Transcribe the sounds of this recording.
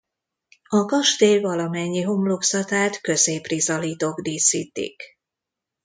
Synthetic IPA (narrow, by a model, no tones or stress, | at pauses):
ɒɡɒʃt̪eːvɒlɒmɛɲːiɦomloksɒt̪aːt̪kø̞zeːprizɒliːt̪oːɡd̪iːsiːt̪ḭk